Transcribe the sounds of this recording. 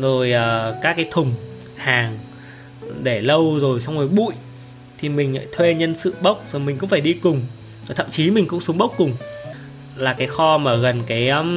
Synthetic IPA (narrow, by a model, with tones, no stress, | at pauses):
zo˨˩jʔəː˨˩kaː˦˥k̚ːaː˨˦jt̪ʰʊ˨˩ŋ͡m | haː˨˩ŋ | ɗe˧˩lə˧wzo˨˩jsa˧wŋ͡mno˨˩jɓṵ˧˨j | t̪ʰi˨˩mï˨˩ŋ̟la̰ː˧˥jt̪ʰwe˧ɲə˧nsɨ̰˧˨ɓə˦˥wk͡p̚zo˨˩mï˨˩ŋ̟kʊ̰˧˥ŋ͡mfaː˧˩jɗi˧kʊ˨˩ŋ͡m | zo˨˩t̪ʰə̰˧˨mt͡ɕi˨˦mï˨˩ŋ̟kʊ̰˧˥ŋ͡msu˨˦ŋ͡mɓə˦˥k͡p̚kːʊ˨˩ŋ͡m | laː˨˩kaː˨˦jxɔ˧maː˨˩ɣə˨˩nkaː˨˦j